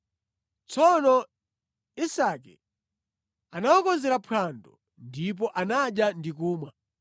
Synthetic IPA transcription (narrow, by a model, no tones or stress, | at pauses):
t͡sɔnɔ | isakɛ̰ | anawɔkɔnzɛɾapʰwandɔ | ndip̬ɔʔanaɗjandikuːma